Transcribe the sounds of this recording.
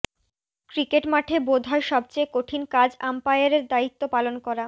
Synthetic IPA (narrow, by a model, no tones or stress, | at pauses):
kɾikeʈmaʈʰebod̪ʱɔeʃɔbt͡ɕejkoʈʰinkad͡ʑampajaɾeɾd̪ait̪ːopalonkɔɾa